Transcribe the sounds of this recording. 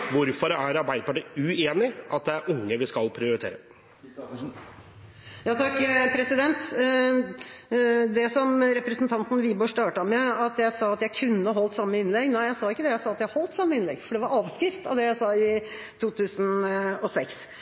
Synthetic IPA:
ʋʊɾfɔɾæɾɑɾbæɪd̪əpɑʈiːʉeːnɪɑt̪̚d̪ɛæɾʔʊŋːəʋɪskɑlpʰɾɪʊɾɪt̪ʰḛːɾə | jɑːt̪ʰɑkːpʰɾɛsɪd̪ɛnt̪ | d̪ɛsɔmɾɛpɾəsn̩t̪ʰɑnt̪n̩ʋiːboːʂt̪ɑːʈəmɛɑt̪jæɪsɑɑt̪jæɪkʰʉnːəɦɔlt̪sɑmːəɪnlɛɡnæɪjæɪsɑːɪkːəd̪ɛjæɪsɑːɑt̪jæɪhɔlt̪sɑmːəɪnlɛ̰ɡfɔɖɛʋɑɾɑːʋskɾɪft̪ɑ̰ʋd̪ɛjæɪsɑɪ | t̪ʰuːt̪ʰʉːsn̩ɔsɛks

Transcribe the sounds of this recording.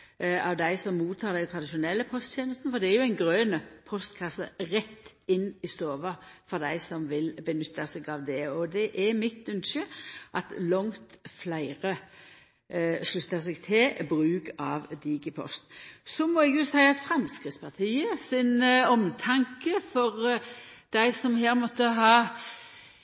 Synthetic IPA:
ɑʋd̪æɪsɔmːuːt̪ʰːɑːɾd̪ɛɡt̪ʰʁɑd̪ɪʃʊnɛlːəpʰɔst̪çeːnəst̪n̩fɔɾd̪ɛæɾjʊæɪnɡɾøːnəpʰɔst̪kʰɑsːə̰ʁɛt̪ːɪnːɪsoːʋɑfɔʁd̪æɪsɔmʋɪlbənʏt̪ʰːɑsɛɡɑʋd̪ɛɔd̪ɛʔɛɾmɪt̪ːʉnʃəʔɑt̪lɔŋt̪flæɪʁə | ʂlʉt̪ːəs̬ɛɡt̪ʰɪlbʁʉːkɑːʋd̪iːɡəpʰɔ̰st̪sɔmɔːɛɡjʊsæɪɑt̪fɾɑnskɾɪt̪spʰɑt̪ʰiːəsɪnɔmt̪ʰɑŋkəfɔʁd̪̥æɪsɔmheːɾmɔt̪ːəɦɑː

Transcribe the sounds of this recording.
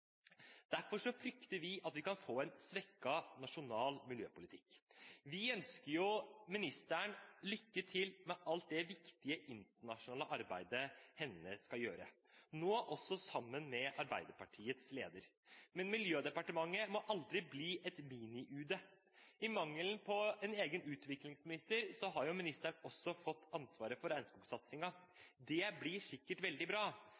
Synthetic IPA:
d̪̥æɾfɔʂɔfɾʏkt̪əɾʋɪʔɑt̪ʋɪkɑnfoːɛnsʋɛkːɑnɑʂʊnɑːlmɪljø̰ːpʊlɪt̪ʰɪkːʋɪœnskəɾjʊmɪnɪst̪æɳlʏkːət̪ʰɪlmɛʔɑlt̪̚d̪ɛʋɪkt̪ɪəʔɪnt̪əɳɑʂʊnɑːləʔɑɾbæɪd̪əhɛnːəskɑjøːɾə̰ | noːʔɔsɔsɑmːənmɛʔɑɾbæ̰ɪd̪əpɑʈʰiːət̪slḛːd̪əɾ | mɛnmɪljøːd̪ɛpɑʈəmɑŋːəmɔʔɑld̪ɾɪbliːʔɛt̪miːnɪʔʉːd̪ə | ɪmɑŋːəlnpʰɔɛneːɡənʉːt̪ʋɪklɪŋsmɪnɪst̪əɾsɔɦɑɾjʊmɪnɪst̪əɳɔsːɔfɔt̪ːɑnsʋɑːɾəfɔɾæɪnskuːɡsɑt̪sɪŋɑd̪ɛblɪʂɪkːəʈʋɛld̪ɪbɾɑː

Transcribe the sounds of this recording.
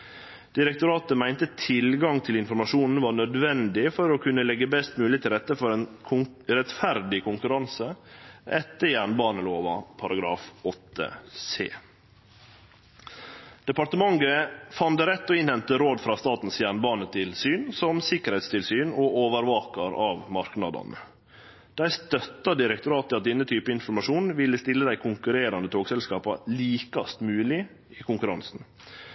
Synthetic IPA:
d̪̥ɪɾɛk̚t̪ʊɾɑːt̪əmæɪnt̪ət̪ʰɪlɡɑŋt̪ʰɪlɪnfɔɾmɑʂuːnn̩ʋɑːɳœd̪ʋɛnd̪ɪfɔɾɔkʰʉnːəlɛɡːəbɛst̪mʉːlɪət̪ɪlɾɛt̪ːəfɔɾɛnʰʊɾɛt̪fæɾd̪ɪkʰʊŋkʉɾɑnsəʔɛt̪ːəjæːɳbɑːnəloːʋɑ̰pʰɑɾɑɡɾɑ̰ːfɔt̪ʰːə̰sḛː | d̪̥ɛpɑɾt̪əmɑŋɡəfɑnd̪əɾɛt̪ːɔɪnhɛnt̪əɾoːd̪fɾɑːst̪ɑːt̪n̩sjæːɳəbɑːnət̪ʰɪlsyːnsɔmsɪkəɾhɛɪt̪st̪ʰɪlsyːnoːʔoːʋəɾʋɑːkɑɾɑʋmɑɾknɑ̰d̪ɑ̰nə | d̪̥æɪst̪œt̪ːɑd̪ɪɾɛk̚t̪ʊɾɑːt̪ːɪlɑt̪̚d̪ɛnːət̪ʰyːpəɪnfɔɾmɑʂuːnʋɪlːəst̪ɪlːəd̪æɪkʰʊŋkʉɾeːɾɑnd̪ət̪ʰoːɡsɛlskɑːpɑliːkɑst̪mʉːlɪ | ɪkʰʊŋkʉɾɑnsn̩

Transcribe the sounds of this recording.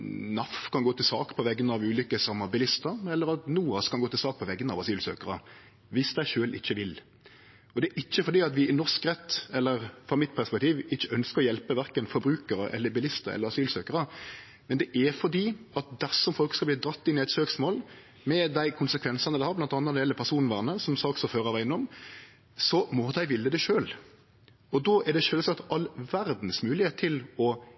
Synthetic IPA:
nɑfkʰɑnɡoːt̪ɪlsɑ̰ːkpʰɔʋɛɡːənəɑʋʉːlikəsɑmːɑbɪlɪst̪əɾɛlːəɾɑt̪nuːɑskɑnɡoːt̪ɪlsɑːk̚pʰɔʋɛɡːənɑʋɑsyːlsø̰ːkəɾə | ʋɪsd̪æɪʃøːlʔɪ̰çːəʋɪl | ɔd̪ɛæɾɪçːəfɔd̪iːɑt̪ʋɪɪnɔskʁɛt̪ːɛlːəɾfʁɑmɪt̪pʰæʁspɛk̚t̪ʰiːʋɪçːəœnskəɾɔjɛlpəʋæɾkənfɔɾbɾʉːkəɾəʔɛ̰lːəbɪlɪst̪əɛ̰ləɾɑsyːlsøːkəɾə | mɛnd̪ɛʔæɾfɔd̪iːɑt̪̚d̪æʁsɔmfɔlkskɑb̪iːd̪ɾɑt̪ːɪnːɪæɪt̪søːksmoːl | mɛd̪æɪkʰʊnsəkʰʋɛnsɑnəd̪æɪhɑɾblɑnt̪ɑnːɑd̪ɛlːəpʰæʁsuːnn̩ʋæːʁnəsɔmsɑːksɔføːɾəɑʋæɪnɔm | sɔmɔd̪æɪʋɪlːəd̪ɛʃøːl | ɔd̪ɔʔæɖ̪ɛʃøːlsɑt̪ɑlːʋæɾd̪n̩smʉːlɪheːt̪ʰːɪlɔ

